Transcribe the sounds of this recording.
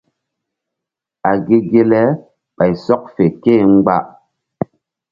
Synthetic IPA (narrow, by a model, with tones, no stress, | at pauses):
a˨ɡi˦ɡe˦lɛ˦ | ɓa˨jsɔ˦k̚fe˨keː˦˨ŋ͡m̩˦ɡ͡ba̰˦ʔ